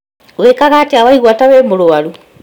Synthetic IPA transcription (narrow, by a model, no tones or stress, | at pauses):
wekaɣaːteawaiɣwatawɛːmoɾoaɾu